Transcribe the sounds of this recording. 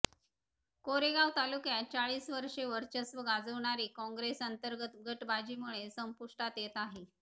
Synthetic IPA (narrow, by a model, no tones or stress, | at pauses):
koɾeɡaʋt̪alukjat͡ɕaɭiːsʋəɾʂeʋəɾt͡ɕəsʋəɡad͡zəʋɳaɾiːkɔ̃ŋɡɾesənt̪əɾɡət̪ɡəʈbad͡ʑiːm̤uɭesəmpuʂʈat̪jet̪aɦe